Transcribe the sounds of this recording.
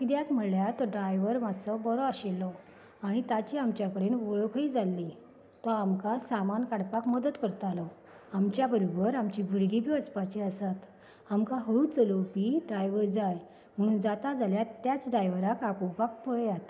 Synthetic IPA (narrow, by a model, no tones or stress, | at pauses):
kid̪jat̪m̤əljat̪ɔɖɾajʋəɾmasəbɔɾɔaɕelːɔ | aɽ̃it̪at͡ɕiamt͡ɕjakəɽenʋoɭokʰəiːd͡zalːi | t̪ɔamkasamankaɽpakməd̪ət̪kəɾt̪alɔ | amt͡ɕjabəɾobəɾamt͡ɕiːbʱuɾɡʱiːpiəspat͡ɕiəsat̪ | amkaɦəɭuːt͡solopiːɖɾajʋəɾd͡zaj | m̤əɽ̃uːnd͡zat̪ad͡zaljat̪ːjat͡sɖɾajʋəɾakapopak̚pəɭjat̪